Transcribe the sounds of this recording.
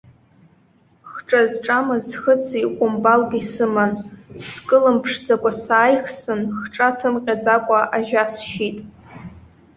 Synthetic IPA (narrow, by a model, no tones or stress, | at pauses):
χʈ͡ʂʼazʈ͡ʂʼamɨzχət͡sʰikʷʼʊmbalɡʲisɨmanskʼɨlɨmpʰʂd͡zakʷʼasaːjχsɨnχʈ͡ʂʼatʰɨmqʲʼad͡zakʷʼaʔaʒasʃitʼ